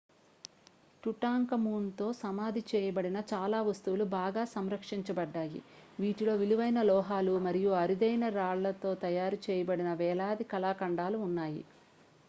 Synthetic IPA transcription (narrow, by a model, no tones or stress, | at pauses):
ʈuʈaːŋkɐmuːnt̪o̞ːsɐmaːd̪ʱit͡ʃɛːjɐbɐɽinɐt͡ʃaːlaːʋɐst̪uʋulubaːɡaːsɐmɾɐkʂiɲt͡ʃɐbɐɖːaːjḭ | ʋiːʈilo̞ːʋiluʋɐjnɐlɔːɦaːlumɐɾijuɐɾid̪ɐjnɐɾaːɭlɐt̪o̞ːt̪ɐjaːɾut͡ʃɛːjɐbɐɽinɐʋɛːlaːd̪ikɐlaːkɐɳɖaːluːnːaːjḭ